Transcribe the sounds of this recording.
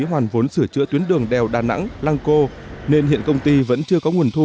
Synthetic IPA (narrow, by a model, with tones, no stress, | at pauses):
ɦwaː˨˩nvo˨˦nsɨ˧˩ət͡ɕɨ̰˧˥t̪wi˨˦ənɗɨ˨˩əŋɗɛ˨˩wɗaː˨˩na̰˧˥ŋlaː˧ŋko˧ | ne˧nhḭ˧˨ənkə˧wŋ͡mt̪i˧və̰˧˥nt͡ɕɨ˧əkɔ˨˦ŋu˨˩ənt̪ʰu˧